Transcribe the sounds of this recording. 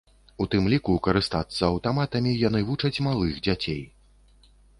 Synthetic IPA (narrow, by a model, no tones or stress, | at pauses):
ut̪ɨmlʲikukɐɾɨst̪at̪sːɐɐwt̪amat̪ɐmʲijan̪ɨvut͡ʂɐt͡sʲmalˠɨxd͡zʲat͡sʲej